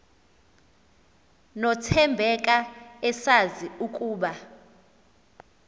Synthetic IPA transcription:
nɔtʰɛmbʱɛk̬ʼaɛsaziukʼuːɓa

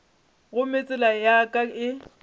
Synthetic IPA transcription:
ɣʊmet͡sʼɪlajakʼaɪ

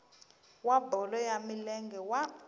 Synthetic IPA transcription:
wabʱɔlɔjamilɛŋɡʱɛwa

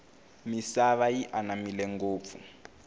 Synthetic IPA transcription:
misaβajiʔanamilɛŋɡoːp̪fu

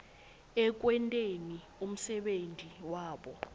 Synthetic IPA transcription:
ɛk̬ʼwɛntʼeni | um̩sɛɓentʼiwaːɓɔ

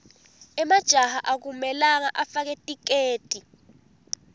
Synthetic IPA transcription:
ɛmad̥ʒ̥ʱahaʔak̬umɛlak̬aʔafak̬ɛtʼik̬eːd̥ʱʼi

